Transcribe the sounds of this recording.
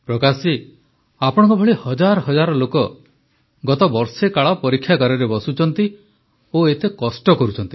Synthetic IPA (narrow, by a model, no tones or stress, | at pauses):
pɾɔkasi | apɔɽ̃ɔŋkubʱɔɭihɔd͡ʒaɾɔɦɔd͡ʒaɾɔlokɔ | ɡɔt̪ɔbɔɾsekaɭɔpɔɾikʰːjakaɾɔɾebɔsut͡ʃʰɔnt̪i | oet̪ekɔsʈɔkɔɾut͡ʃʰɔnt̪i̥